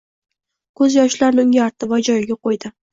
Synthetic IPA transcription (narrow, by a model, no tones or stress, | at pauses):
kʰɵzjɒʃlaɾnɪŋjaɾt̪ʰɪvɒjd͡ʒɒjɪɡʲaqʰojd̪ɪ